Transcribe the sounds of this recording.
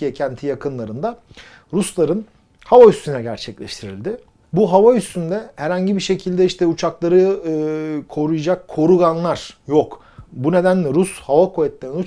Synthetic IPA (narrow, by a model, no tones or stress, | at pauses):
ijɛcʰænt̪ʰijakʰɯnlˠaɾɯnd̪a | ɾuslˠaɾɯn | havayst̪ʰynɛɟæ̰ɾt͡ʃʰɛclʲɛ̰ʃt̪ʰiɾḭlʲd̪ɪ | buɦavayst̪ʰynd̪ɛhæɾhaɲɟibiʃe̞cʰilʲd̪ɛiʃt̪ʰɛut͡ʃʰaklˠaɾɯɯkʰo̞ɾujad͡ʒakʰːo̞ɾuɡanlˠaɾ̥jok | bune̞d̪ænlʲɛɾushavakʰovɛt̪lʲeɾininu